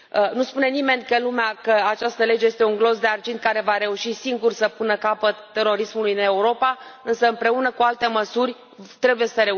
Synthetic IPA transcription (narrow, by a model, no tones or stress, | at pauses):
ənuspune̞nime̞nʲkəlumeakəat͡ʃast̪əle̞d͡ʒejest̪e̞uŋɡlo̞zd̪e̞ard͡ʒint̪̚kaɾe̞vaɾe̞uʃisiŋɡursəpunəkapət̪ːe̞ɾo̞ɾismulujne̞uɾo̞paɨnsəɨmpɾe̞unəkualt̪e̞məsurʲ | t̪ɾe̞bujesəɾe̞